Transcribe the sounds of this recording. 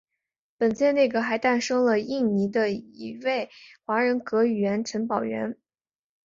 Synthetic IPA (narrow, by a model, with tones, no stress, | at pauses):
pə˨˩nt͡ɕjɛ˥˧nne˥˩ɡə˩xa˧˥ɪt̪a˥˩nʂɤ˥ŋlə˨i˥˩ni˧˥d̪ə˧i˧˩we˥˩ɪxwa˧˥ɻə˧˥nkɤ˧˥y˨˩ɥɥɛ˧˥nʈ͡ʂʰə˧˥npɑ˨˩ʊɥɛ̰˧˥n